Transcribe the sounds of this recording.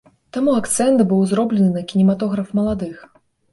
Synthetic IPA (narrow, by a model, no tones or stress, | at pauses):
t̪amuakt̪sɛnt̪bɨwzɾɔblʲɛnɨnɐkʲinʲɛmat̪ɔɣɾɐfmɐlˠad̪ɨx